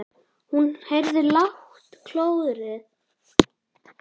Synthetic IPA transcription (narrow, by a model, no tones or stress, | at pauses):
hunhejɾðɪlaht̪kʰloːwðʏɾɪ